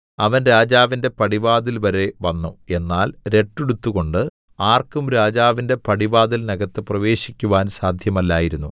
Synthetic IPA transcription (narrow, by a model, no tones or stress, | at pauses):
ɐʋɐnɾaːd͡ʑaːʋinde̞pɐɽibaːðilʋɐɾe̞ʋɐnːue̞nːaːlɾe̞ʈːeɽut̪ːuɣo̞ɳɖɨ | aːrkumɾaːd͡ʑaːʋinde̞pɐɽibaːðilnɐɣɐt̪ːɨprɐʋe̞ːɕikʲːuʋaːnsaːd̪ʱjɐmɐlːaːjiɾunːu